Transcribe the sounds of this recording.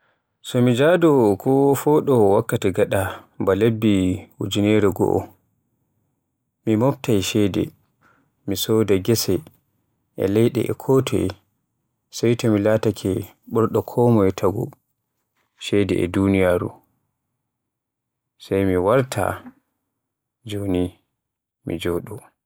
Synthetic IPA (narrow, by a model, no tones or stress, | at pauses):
sɔmid͡ʒadɔkʰɔfɔːɗɔwakːatɛɡaɗabalebːihṵd͡ʒinɛɾɛɡɔ̰ʔɔ̰ | mimɔptajʃɛdɛ̰ | misɔdaɡɛsɛ | ʔɛ̰lɛjɗɛ̰ʔɛ̰kʰɔtʰɛ̰j | sajtʰɛmilatakʰɛ | ɓɔɾɗɔkʰɔːmɔɛtʰaɡɔ̰ | ʃɛdɛ̰ɛ̰dunijaːɾṵ | sajmiwaɾtʰa̰ | d͡ʒoni | mḭd͡ʒɔɗɔ